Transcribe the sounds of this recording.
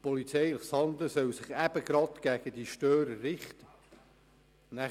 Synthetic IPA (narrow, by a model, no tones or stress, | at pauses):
pɔlit͡sɛjləχshɑnd̪ləsœwsɪχæb̥əɡ̥ɾɑt̪ɡ̥æɡ̥əd̥iʃtøːɾəːɪχt̪ə | næ